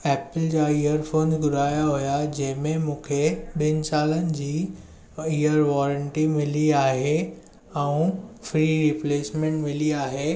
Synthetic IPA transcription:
ɛːpɪld͡ʑaːijəɾfoːnzɡʊɾaːjaɦujad͡ʑɐ̃ɦɪ̃mẽmũːkʰeɓiənɪ̆saːlənɪ̆d͡ʑiː | ijəɾʋɔːɾəɳʈimɪliaːɦe | ɛũfɾiːɾipleːsmẽɳʈmɪliaːɦeː

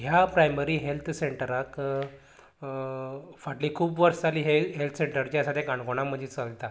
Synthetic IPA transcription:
ɦjapɾajməɾiːɦelt̪ʰseɳʈəɾak | faʈlikʰuːpʋəɾst͡saliːɦeɦelt̪ʰəseɳʈəɾt͡ɕjasat̪ʰjakãɳkoɽ̃am̤ənd͡ʑʱet͡səlt̪a

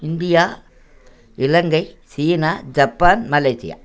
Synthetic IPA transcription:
ɪnd̪ɪjaː | ɪlɐŋɡɐɪsiːnaːd͡ʒɐpːaːnmɐleːsɪ̰ja̰ː

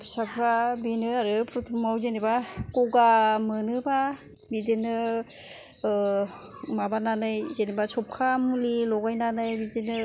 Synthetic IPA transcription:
pʰisapʰɾabinɯaɾɯpʰɾɔtʰumawzenibakɔɡamɯnɯba | bidenɯ | mabananɯjzenibasɔp̚kʰamulilɔɡajnanɯjbidenɯ

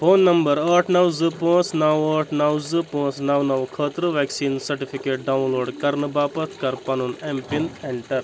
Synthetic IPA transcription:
pʰoːnːɐmbɐɾɐːʈʰnɐwzɨpõːt͡snɐwɐːʈʰnɐwzɨpõːt͡snɐwnɐʋkʰəːt̪ɾɨʋeːksiːnsɐɾʈipʰikeːʈ̚ɖawnloːɖkɐɾnɨbaːpɐt̪ʰkɐɾpɐnunempint̪ʰeɳʈɐɾ

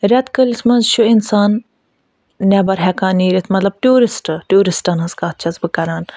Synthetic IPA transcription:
ɾʲɐt̪kəlʲismɐnzʃʰuinsaːn | ɛbɐɾɦɛkaːniːɾit̪ʰmɐt̪lɐb̚ʈuːɾisʈʈuːɾisʈɐnɐskaːt̪̚ʰt͡ʃʰɐzbɨkɐɾaːn

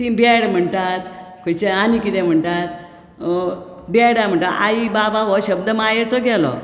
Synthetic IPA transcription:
t̪ĩbeɽm̤əɳʈ̪at̪̚kʰojt͡ɕeanikit̪ɛ̃m̤əɳʈ̪at̪̚ | bɛɽam̤əɳʈ̪aaibabaʋɔɕəb̚d̪əmajet͡sɔɡɛlɔ̰

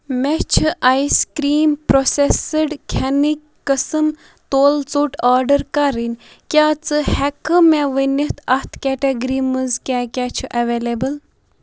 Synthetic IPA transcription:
mɛt͡ʃʰɨʔajskɾiːmpɾosesəɖkʰɛnikːəsɨm | t̪oːlt͡suʈaːɾɖəɾkɐɾinʲ | kʲaːt͡sɨhɛkɨmɛʋəniht̪ʰɐht̪ʰkʲɛʈeɡɾimɨzkʲaːkʲat͡ʃʰuʔɐʋeːlebəl

